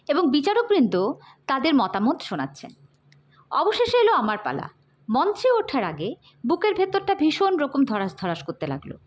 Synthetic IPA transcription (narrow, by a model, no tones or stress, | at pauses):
eboŋbit͡ɕaɾok̚bɾind̪ʱo | t̪ad̪eɾmɔt̪amot̪ʃona̰tːɕʰḛn | ɔboʃeʃeloamaɾpa̰la̰ | mɔnt͡ɕeoʈʰaɾaɡe | bukeɾbʱet̪ːoɾʈabʱiʃonɾokomd̪ʱɔɾaʃd̪ʱɔɾaʃkoɾt̪ela̰ɡlo̰